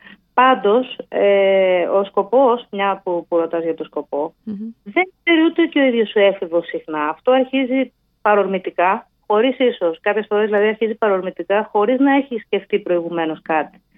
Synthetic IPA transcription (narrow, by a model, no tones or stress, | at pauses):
pɐnd̪o̞seosko̞po̞smɲɐpupuɾo̞t̪ɐzʝɐt̪o̞sko̞po̞ðe̞ŋkse̞ɾiut̪eoceo̞iðʝo̞sue̞fivo̞sixnɐːft̪o̞ɐɾçizi | pɐɾo̞ɾmit̪ikɐ | xo̞ɾisiso̞skɐpçe̞sfo̞ɾezðilɐðiɐɾçizipɐɾo̞ɾmit̪ikɐxo̞ɾiznɐe̞çisce̞ft̪ipɾo̞iɣume̞no̞skɐt̪i̥